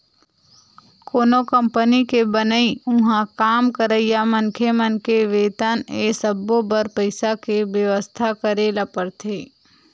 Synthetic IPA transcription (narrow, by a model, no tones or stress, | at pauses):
koːnokə̃mpənikebənəiʊ̃ɦãkaːmkəɾəɪjamənkʰemənkeʋeːt̪anesəbːobəɾpəɪsakebjəʋəst̪ʰakəɾeːlapəɾt̪ʰeː